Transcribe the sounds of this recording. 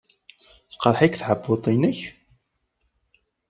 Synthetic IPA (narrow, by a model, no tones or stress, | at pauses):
θqɾˤħikθʕəbːot̪ˤinəç